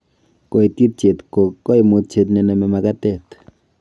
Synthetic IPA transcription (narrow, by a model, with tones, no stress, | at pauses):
ko˨i˨t̪i˦t̚t͡ʃe˨t̪ko˨ko˦i˨mu˧t̚t͡ʃe˧t̬ne˨nɛ˨me˨ma˨ka˦t̪ɛ˦˨t̪